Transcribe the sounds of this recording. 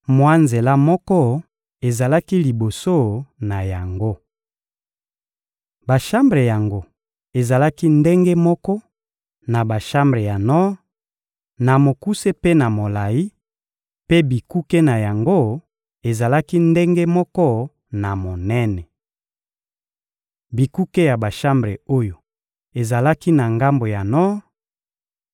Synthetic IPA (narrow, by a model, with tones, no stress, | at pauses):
mwa˦nze˨la˦mɔ˦kɔ˦ | e˨za˨la˦ki˦li˨bo˨so˦˨na˨ja˨ŋɡo˦ | ba˨ʃa˦mbʁe˨ja˨ŋɡo˦ | e˨za˨la˦ki˦nde˦ŋɡe˦mɔ˦kɔ˦ | na˨ba˨ʃa˦mbʁe˨ja˨nɔ˦ | na˨mo˨ku˦se˦pe˦na˨mo˨la˨ji˦ | pe˦bi˨ku˦ke˦na˨ja˨ŋɡo˦ | e˨za˨la˦ki˦nde˦ŋɡe˦mɔ˦kɔ˦ | na˨mo˨nɛ˦nɛ˨ | bi˨ku˦ke˦ja˨ba˨ʃa˦mbʁe˨o˦jo˨ | e˨za˨la˦ki˦na˨ŋɡa˦mbo˨ja˨nɔ˦